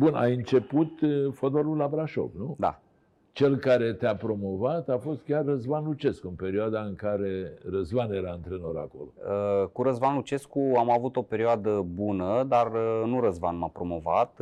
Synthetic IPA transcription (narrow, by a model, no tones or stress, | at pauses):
buna̰jɨnt͡ʃe̞put̪fod̪valulabɾaʃo̞̰vnud̪a̰ | t͡ʃe̞lkaɾe̞t̪eapɾo̞mo̞vat̪afo̞st̪̚kʲarːəzvanlut͡ʃe̞skuɨnpe̞ɾioad̪aɨŋkaɾe̞ɾəzvane̞ɾaɨnt̪ɾenoɾa̰ko̞̰loəkuɾəzvanlut͡ʃe̞skuamavut̪o̞pe̞ɾioad̪əbunəd̪arənuɾəzvanmapɾo̞mo̞va̰t̪